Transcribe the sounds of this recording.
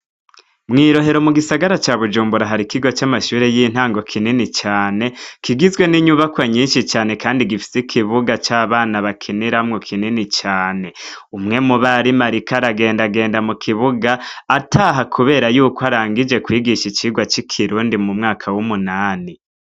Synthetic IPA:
mŋiːɾo̞ɦe̞ɾo̞muɡisaɡaɾat͡ʃaβud͡ʒuːmbuɾaɦaɾikiɡo̞t͡ʃamaʃuːɾe̞jiːn̥haːŋɡo̞kʰininit͡ʃaːne̞kiɡizɡwe̞niɲuβakwaɲiːnʃit͡ʃaːne̞kaːndiɡifi̥sikʰiβuɡat͡ʃaːβaːnaβakʰiniɾamŋokʰininit͡ʃaːne̞ | umŋe̞muβaɾimaɾikaɾaɡe̞ːndaɡe̞ːndamukʰiβuɡaːtʰaɦakʰuβe̞ːɾajuːkoaɾaːŋɡid͡ʒe̞kwiːɡiʃit͡ʃiɡwat͡ʃikʰiɾuːndimumŋaːkʰawumunaːni

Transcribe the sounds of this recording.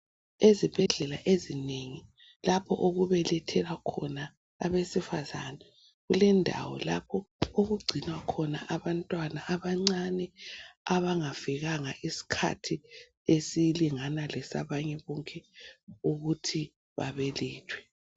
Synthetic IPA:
ezib̥ʱɛɮɛlaʔezineŋi | lapʰɔ̰ʔoɣuβɛlɛtʰɛlwakʰɔna̰ː | βesifazanɛ | ɣulɛndʱa̰wɔ̰la̰pʰɔoɣuɡ͡ǀʱinwakʰɔna̰ʔaβantʼwanaʔaβaŋ͡ǀanɛaβaŋaviɣaŋaʔisi̥kʰa̰tʰi | esiliŋanalɛsa̰βaɲɛβɔŋkʼɛuɣutʰi | βa̰βɛliːtʰwɛ

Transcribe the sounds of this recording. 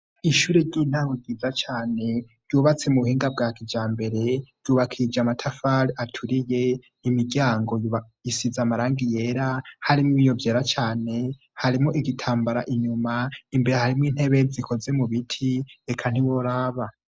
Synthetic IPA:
iʃuːɾeɾɟiːn̥awuɡizat͡ʃaːne̞ɾjuːβat͡se̞muβuhiːŋɡab̚ɡaːkid͡ʒaːmbe̞ɾe̞ɾ̥ɟ̥juːβakʰid͡ʒamatʰafalatʰuɾije̞ | imiɟjaːŋɡo̞j | isizamaɾaːŋɡije̞ːɾahaɾimiβijo̞vje̞ːɾat͡ʃaːne̞ | haɾimoʔiɡitʰaːmbaɾaʔiɲumaimbe̞ɾe̞haɾimwiːn̥e̞βe̞zikʰo̞ze̞muβitʰiekʰan̥iwoɾaːβa

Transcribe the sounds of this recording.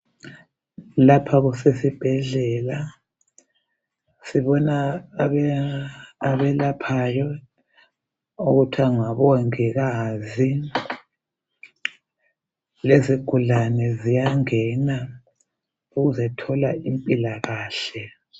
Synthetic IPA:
lapʰaɣusesib̥ʱɛɮɛla | siβɔnaβɛ | aβɛlapʰajɔ | uɣutʰwaŋaβɔŋɛɣazi | leziɡ̥ʱulanɛzijaŋɛna | uɣuzɛtʰɔlaimpʼilaɣaːɬɛ

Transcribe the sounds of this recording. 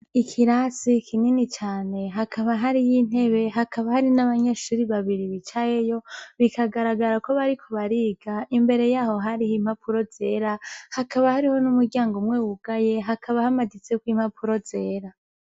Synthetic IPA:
ikʰiɾasikʰininit͡ʃaːne̞ɦakʰaβaɦaɾijin̥e̞βe̞ɦakʰaβahaɾinaβaɲeʃuɾiβaβiɾiβit͡ʃajejo̞βikʰaɡaɾaɡaɾako̞βaɾikʰo̞βaɾiːɡaʔimbe̞ɾe̞jaːho̞ɦaɾihim̥hapʰuɾo̞ze̞ːɾahakaβahaɾiho̞numuɾɟaːŋɡomŋeːwuɡaje̞ɦakʰaβahamadit͡sekwiːm̥hapʰuɾo̞ze̞ːɾa

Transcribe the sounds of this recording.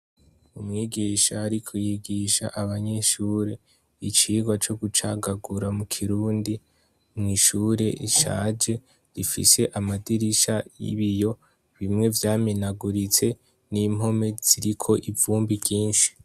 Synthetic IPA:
umŋiːɡiʃaːɾikʰojiɡiʃa̰ʔaβaɲe̞ʃuːɾe̞ | it͡ʃiːɡwat͡ʃo̞ɡut͡ʃaɡaɡuɾamukʰiɾuːndi | mŋiːʃuːɾe̞ʔiʃa̰d͡ʒe̞ | ɾifḭse̞ʔamadiɾiʃajḭβijo̞ | βimŋe̞vjaːminaɡuɾit͡se̞ | nimɦo̞me̞z̥iɾikʰo̞ʔivuːmbiɾɟiːnʃi̥

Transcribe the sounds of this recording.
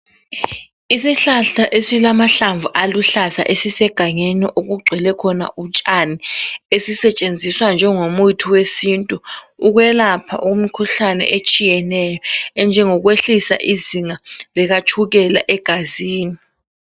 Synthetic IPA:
isiɬaɬaʔesilamaɬaɱvuʔaluɬaza̰ʔesisɛɡ̥ʱaɲeniʔoɣuɡ͡ǀʱɛlɛkʰɔna̰ʔut͡ʃʼaniesisɛt͡ʃʼend͡zʱiswand͡ʒʱɛŋomujitʰiwesintʼuːɣwɛlapʰa̰ʔumikʰuɬanɛ̰ʔet͡ʃʼijɛnɛjɔɛnd͡ʒʱɛŋɔɣweɬisa̰ʔiziŋalɛɣat͡ʃʰuɣɛlaʔɛɡ̥ʱaziːni

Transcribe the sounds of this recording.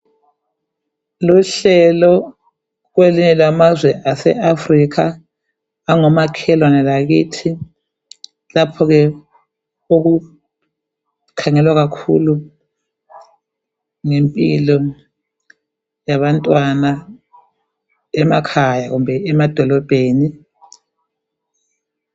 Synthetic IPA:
luɬɛlɔ | ɣweliɲɛlamazwɛʔasɛ̰ʔafrikʰaː | ŋɔmakʰɛlwanɛlaɣitʰi | lapʰɔɣɛ | oɣu | kʰaŋɛlwaɣakʰṵlu | ŋempʼilɔ | jaβantʼwana | ɛmakʰajaɣumbʱɛɛmad̥ʱɔlɔb̥ʱeːni

